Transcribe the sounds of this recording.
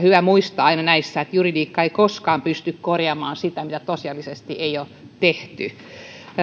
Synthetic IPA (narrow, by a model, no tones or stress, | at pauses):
hyʋæmuist̪ɑɑinɑnæisːæet̪juridiːkːɑeikoskɑːmpyst̪ykkorjɑmɑːnsit̪æmit̪æt̪osiɑlːisest̪ieioː | t̪eht̪y